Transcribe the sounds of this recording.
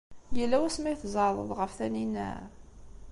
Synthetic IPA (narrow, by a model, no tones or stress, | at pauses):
jəlːæwæsmæjθəzˤəðˤə̰ðˤʁəfθæninːæ̰ɾ